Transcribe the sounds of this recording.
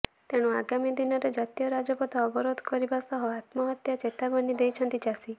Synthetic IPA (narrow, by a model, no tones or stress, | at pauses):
t̪eɽ̃uaɡamid̪inɔɾed͡ʒat̪ijɔɾad͡ʒɔpɔd̪ʰʱaːbɔɾod̪ʱɔkɔɾibasɔɦɔat̪mɔɦɔt̪jat͡ʃet̪aɡɔnid̪ejt͡ʃʰɔnt̪id͡ʒasi